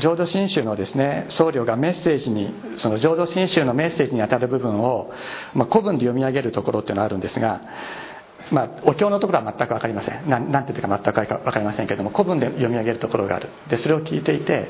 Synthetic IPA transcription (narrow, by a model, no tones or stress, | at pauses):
d͡ʑoːd̪o̞ɕĩɰ̃ɕɨːno̞d̪e̞sɨne̞so̞ːɾʲo̞ːɡame̞se̞ːʑiɲ̟i | so̞no̞ʑo̞ːd̪o̞ɕĩɰ̃ɕɨːno̞me̞sːe̞ːʑiɲiat̪aɾɯ̟bɯ̟bɯ̟̃ɰ̃o̞ | mako̞bɯ̟̃nd̪e̞jo̞mʲiaɡe̞ɾɯ̟t̪o̞ko̞ɾot̪eɯ̟noaɾɯ̟̃nd̪e̞sɨɡa | maːo̞kʲo̞ːno̞t̪o̞koɾoamat̪ːakɯ̟akaɾʲimasẽ̞̰nnãnãt̪eiːɯkamat̪ːakɯ̟aɾɯkaβakaɾʲimasẽŋkeɾed̪omoko̞bɯ̃nd̪e̞jo̞mʲiaɡe̞ɾɯ̟t̪o̞koɾo̞ɡa̰a̰ɾɯ̟d̪e̞so̞ɾe̞o̞kʲiːt̪e̞it̪e̞